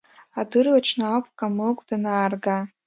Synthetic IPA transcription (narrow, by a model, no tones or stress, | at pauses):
adɨrvat͡ʃʰnaapʰʼkʼamɨkʷʰʼdanaːrɡa